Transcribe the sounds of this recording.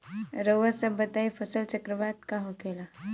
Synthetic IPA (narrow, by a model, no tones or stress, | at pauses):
ɾəwʋasəbːət̪aifʰəsəlt͡ʃəkɾəʋad̪̚kaɦokela